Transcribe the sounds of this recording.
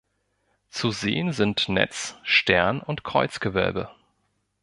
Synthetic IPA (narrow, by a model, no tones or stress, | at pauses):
t͡suzḛːənzɪntnɛ̰t͡sʃtɛɐnʊntkʁ̥ɔʏt͡sɡ̥əvœ̰lbə